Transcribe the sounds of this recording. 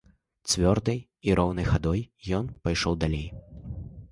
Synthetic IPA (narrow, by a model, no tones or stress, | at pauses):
t͡svʲɔrd̪ɐj | iɾɔwnɐjxad̪ɔjjɔnpajʂɔwd̪alʲej